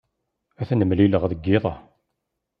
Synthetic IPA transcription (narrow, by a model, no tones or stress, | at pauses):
æθænəmːliləʁðəɡːɪðˤɑ